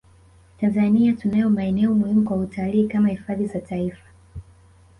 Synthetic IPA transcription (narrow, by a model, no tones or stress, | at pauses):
tanzaniatunajɔmaɛnɛɔmuhimukwautʰaliːkamahifaðizataifḁ